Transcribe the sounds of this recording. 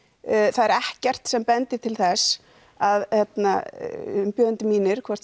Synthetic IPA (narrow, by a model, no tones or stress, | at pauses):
θaðɛɾɛhcɛr̥t̪sɛmpɛnt̪ɪt̪ʰɪlθɛs | aðhjɛt̪na̰ | mpjœːðʏnt̪ɪmiːnɪɾ̥kʰvɔr̥t̪